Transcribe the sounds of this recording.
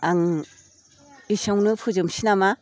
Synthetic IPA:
aŋ | isawnɯpʰuzɯmsinama

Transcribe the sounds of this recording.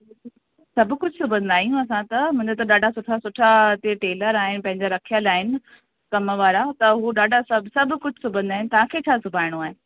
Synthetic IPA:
sɐbkʊd͡ʑʱsʊbʱə̃nd̪aːɦijũɐsãt̪ɐmʊ̃ɦɪ̃d̪et̪ɐɗaːɖʱasʊʈʰasʊʈʰat̪eʈeːləɾaːɦɪnɪ̆pɐ̃ɦɪ̃ɲd͡ʑaɾɐkʰijəlaːɦɪnɪ̆ | kɐmʋaːɾat̪ɐɦuɗaːɖʱasɐbʱsɐbʱkʊd͡ʑʱsʊbʱə̃nd̪aːɦɪnɪt̪ɐʋ̤ãkʰeːt͡ɕʰaːsʊbʱaːɪɽ̃oaːɦɪnɪ̆

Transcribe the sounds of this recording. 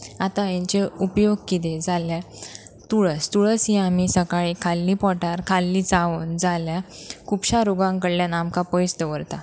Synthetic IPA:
at̪ãjeɲt͡ɕeupjoɡ̚kit̪ed͡zalja | t̪uɭəst̪uɭəsɦĩam̤isəkaɭikʰalːipɔʈaɾkʰalːit͡saond͡zaljakʰupɕaɾoɡãŋkəɽljanamkapɔjst̪əʋəɾt̪a

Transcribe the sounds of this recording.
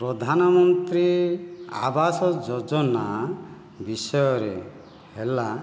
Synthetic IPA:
pɾɔd̪ʱanɔmɔnt̪ɾia̰basɔd͡ʒɔd͡ʒɔna | bisɔjɔɾe | hela

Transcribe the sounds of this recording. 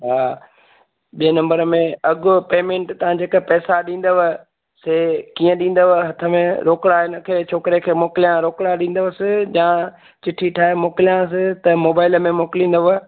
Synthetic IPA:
ɦaː | ɓiənɐ̃mbəɾəmẽɐɡʊpeːmẽːɳʈt̪ɐʋ̤ãd͡ʑeːkəpɛːsaɗĩːn̆d̪əʋə | seːkiːə̃ɗĩːn̆d̪əʋəɦɐt̪ʰəmẽɾoːkɽaɪnə̆kʰeːt͡ɕʰoːkɪɾekʰeːmoːkɪlijãɾoːkɽaɗĩːnd̪əʋəsɪd͡ʑãː | t͡ɕɪʈʰiʈʰaːemoːkɪlijãs̬ɪt̪ɐmoːbaːɪləmẽmoːkɪlĩːn̆d̪əʋə

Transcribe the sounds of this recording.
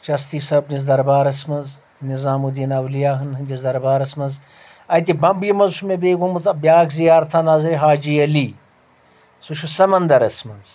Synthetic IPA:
t͡ʃɐst̪iːsɐb̚niz̬d̪ɐɾbaːɾɐsmɐnz | nizaːmud̪inɐwlijaːɦɐnɦɨnʲd͡ʒʲizd̪ɐɾbaːɾɐsmɐnz | ɐt̪̬ʲibɐmbjimɐzsumebeːɡomut̪ɐbjaːkzijaːɾt̪ʰaːnaːzɾeɦaːd͡ʒiɐliː | suʃusɐmɐnd̪ɐɾɐsmɐz

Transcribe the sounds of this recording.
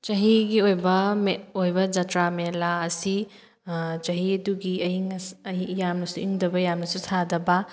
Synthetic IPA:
t͡ʃɐɦiɡiojbɐmeojbɐd͡ʒatɾamelaɐsi | t͡ʃɐɦiɐduɡiɐɦiŋɐijamnɐsuiŋdɐbɐjamnɐsusʰadɐbɐ

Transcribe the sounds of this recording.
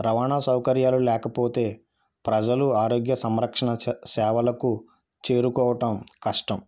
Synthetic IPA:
ɾɐʋaːɳaːsɐwkɐɾjaːlulɛːkɐpoːt̪e̞ː | pɾɐd͡ʒɐluaːɾoːɡjɐsɐmɾɐkʂɐɳɐsɛːʋɐlɐku | t͡ʃe̞ːɾukɔːʋɐʈɐmkɐʂʈɐm

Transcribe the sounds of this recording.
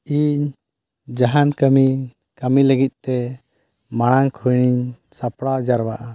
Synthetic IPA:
iɲ | d͡ʒaɦankəmi | kəmiləɡit̪̚ˀt̪ɛ | maɽ̃aŋkʰujɽ̃iɲsapɽad͡ʒaɾbaʔa

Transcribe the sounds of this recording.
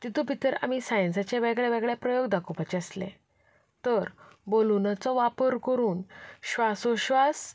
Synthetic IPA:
d͡ʑ̪it̪ũbʱit̪əɾa̰misajənsat͡ɕeʋeɡɭeʋɛɡɭjapɾəjoɡd̪akʰupat͡ɕeəslḛ | t̪əɾbolunat͡sɔʋapəɾkəɾuːnɕʋasoɕʋas

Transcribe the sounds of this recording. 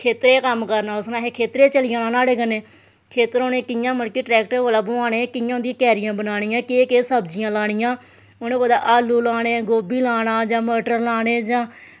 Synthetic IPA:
kʰeːt̪ɾeːkəmkəɾnaːʊsnãːɦeːkʰeːt̪ɾeːt͡ʃəlɪjãːnãːnaːɽeːkəneː | kʰeːt̪əɾoːneːkɪjãːməɽkeːʈɾɛːk̚ʈəɾoːlaːbʊaːɽeːkɪjãːnd̪ijãːkɛːɾɪjãːbənaːɽ̃ijãːkeːkeːsəbd͡ʒɪjãːlaːɽ̃ɪjãː | onẽːpəd̪a̰ːʔaːluːlaːɽeːɡoːbiːlaːɽ̃aːd͡ʒãːməːʈəɾlaːɽ̃eːd͡ʒãː

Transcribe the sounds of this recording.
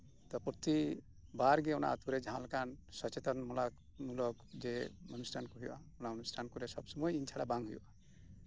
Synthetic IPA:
t̪ɔpɾɔt̪i | baɾɡɛɔna̰at̪uɾɛd͡ʒaɦãlakansɔt͡ʃet̪ɔnmɔlak | mulɔkd͡ʒemɔnusʈʰankuɦujuʔa̰ɔnamɔnusʈʰankuɾɛsɔbsɔmɔjint͡ʃʰaɽabaŋɦujṵʔa

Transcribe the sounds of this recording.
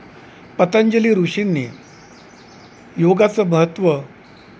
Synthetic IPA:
pət̪aɲd͡ʑəliːɾuʂinːḭː | joɡat͡səməɦət̪ʋə

